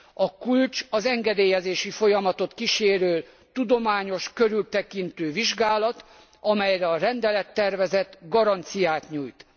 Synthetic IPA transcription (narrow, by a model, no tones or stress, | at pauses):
ɒkult͡ʃɒzɛŋɡɛd̪eːjɛzeːʃifo̞jɒmɒt̪o̞t̪kiʃeːɾøːl | t̪ud̪o̞maːɲo̞ʃkøɾylt̪ɛkint̪øːviʒɡaːlɒt̪ | ɒmɛjrɛɒɾɛnd̪ɛlɛt̪ːɛrvɛzɛt̪ɡɒɾɒnt̪sijaːt̪ɲuːjt̪